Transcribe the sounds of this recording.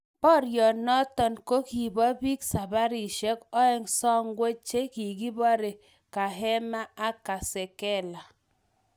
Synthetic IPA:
pɔ˦ɾjɔ˨nɔ˦tɔ˨nko˦ki˨bɔ˦bi˦ksa˨ba˦ɾi˨ʃɛ˦kɔ˦ɛ˦ŋsɔ˦ŋɡwe˦t͡ʃe˦ki˨ɡi˦bɔ˦ɾe˨ | ka˨ɦɛ˦ma˦a˦ka˨sɛ˨kɛ˦˨la˨

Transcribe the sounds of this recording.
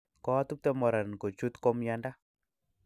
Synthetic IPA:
kɔ˦a˦tu˦p̚t̪ɛ˦mɔ˨ɾa˨nko˨t͡ʃu˦t̪kɔ˦mja˦nda˦

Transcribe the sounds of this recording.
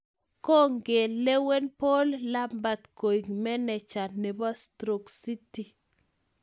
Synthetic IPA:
ko˦ŋɡe˨lːe˦we˦npo˦lːa˦mba˨t̪ko˨i˨ŋmɛ˦nɛ˨t͡ʃa˨ne˨ba˦stɾo˨ksi˦ti˨

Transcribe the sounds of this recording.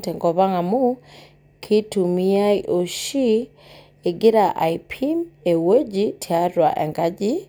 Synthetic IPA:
tɛ˨ŋɡɔ˨βa˦ŋa˨mu˦ | kʰi˦tu˨mi˦a˦jʔo˨ʃi˦ | e˨ɡɪ˦ɾa˨ʔa̰˨ipʰi˦me˨we˦d͡ʒi˦tʰia˦ɾwa˨ʔɛ̰˨ŋɡa˦d͡ʒi˦

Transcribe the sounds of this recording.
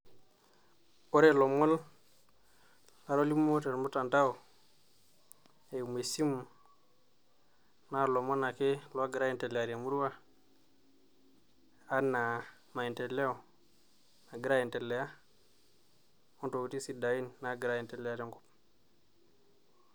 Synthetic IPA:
o˦ɾe˦lo˨mo˦l | na˨ɾo˦li˦mo˦te˨ɾmu˦ta˨nta˦o˨ | e˨me˨si˦m˨ | na˦˨lo˨mo˦na˨ke˦lo˦a˦ɡi˨ɾa˦i˨nte˨le˨a˨ɾa˨mu˦ɾu˦wa˦ | a˦na˨ | ma˨i˨nte˨le˦o˨ | na˨ɡi˦ɾa˦ji˨nte˨lːe˨ja˦ | o˦nto˨ku˨ti˦si˨da˨i˦nːa˦ɡi˨ɾa˦ji˨nte˨le˨a˦ɾe˦ŋɡu˦p̚

